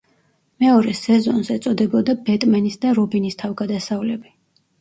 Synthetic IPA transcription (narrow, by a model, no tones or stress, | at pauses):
mɛɔɾɛsɛzɔnsɛt̪sʼɔd̪ɛbɔd̪abɛt̪ʼmanisd̪aɾɔbinist̪ʰavɡad̪asavlɛbi